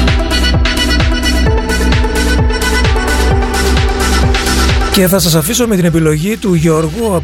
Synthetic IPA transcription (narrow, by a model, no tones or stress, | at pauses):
ce̞θɐsɐsɐfiso̞me̞t̪ine̞pilo̞ʝit̪uʝeoɾɣuɐp